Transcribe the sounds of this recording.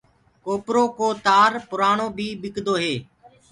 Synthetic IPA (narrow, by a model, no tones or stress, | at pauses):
koːpɾoːkoːt̪aːɾpʊɾaːɳoːbʱiːbɪkd̪oːɦeː